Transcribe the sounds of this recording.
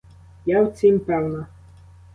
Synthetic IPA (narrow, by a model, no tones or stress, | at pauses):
jawt͡sʲimʲpɛwna